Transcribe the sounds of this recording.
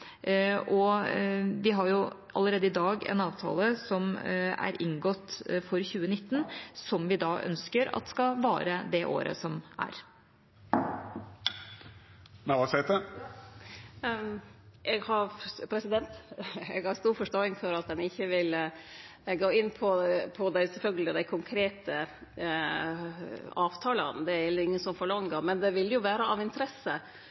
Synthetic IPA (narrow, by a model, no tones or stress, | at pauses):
ʔɔ | ʋɪɦɑɾjʊ | ʔɑ̰lːəɾeːd̪əɪd̪ɑːɡɛ̰nɑːʋt̪ʰɑ̰ːləsɔmæ̰ɾʔɪŋɡɔt̪ːfɔɾçʉːənɪt̪ːənsɔmʋɪd̪ɑːʔœ̰nskəɾɑ̰t̪̚d̪ɛ̥skɑʋɑːɾəd̪ɛʔo̰ːɾə̰sɔmæ̰ɾ | mɛʋɑːsɛɪt̪ə | ʔɛɡhɑɾpʰɾɛsɪd̪ɛnt̪ɛɡhɑɾst̪uːɾfɔʂʈoːɪŋfɔɾɑt̪̚d̪ɛnɪçːəʋɪl | ɛɡoːɪnːpʰɔpʰɔd̪æɪsɛfœlɡəlɪd̪æɪkʰʊŋkʰɾeːt̪ʰə | ɑːʋt̪ʰɑːlɑnd̪ɛæɾɛlːəɾɪŋːənsɔmfɔɭɑŋəmɛnd̪ɛʋɪlːjʊʋæːɾəʔɑʋɪnt̪əɾɛsə